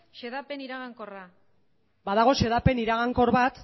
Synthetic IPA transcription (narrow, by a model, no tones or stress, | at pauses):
ʃe̞ðape̞niɾaɣaŋko̞ra | baðaɣ̞o̞ʃe̞ðape̞niɾaɣ̞aŋko̞ɾβat̪